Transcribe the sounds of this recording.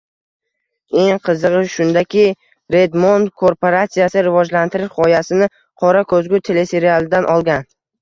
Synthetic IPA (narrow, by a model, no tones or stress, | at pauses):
e̞ŋqʰɨzɨʁɨʃʊnd̪akʲɪ | ɾe̞d̪mond̪kʰoɾpoɾat̪sijasɪɾɪvɒd͡ʒlant̪ɪɾɪʃχɒjasɪnɪ | qʰɒɾakʰɵzɡʲʊt̪ʰe̞le̞se̞ɾialˠɪd̪anʔɒlˠɡʲan